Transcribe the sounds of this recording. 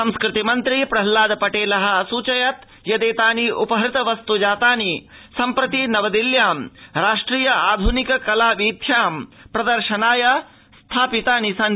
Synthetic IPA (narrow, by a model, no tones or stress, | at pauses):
sɐmskɾɪt̪imɐnt̪ɾipɾɐɦlaːd̪ɐpɐʈeːlɐɦɐ̆ɐsuːt͡ʃɐjɐt̪ | jɐd̪eːt̪aːniʔupɐɦɐɾɪt̪ɐʋɐst̪ud͡ʒaːt̪aːnisɐmpɾɐt̪inɐʋɐd̪iljaːmɾaːʂʈɾiːjɐaːd̪ʱunikɐkɐlaːʋiːt̪ʰjaːmpɾɐd̪ɐɾʃɐnaːjɐ | st̪ʰaːpit̪aːnisɐn